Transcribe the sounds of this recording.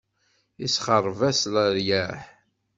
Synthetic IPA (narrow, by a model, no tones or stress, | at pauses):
isχərˤːvæsləɾjæħ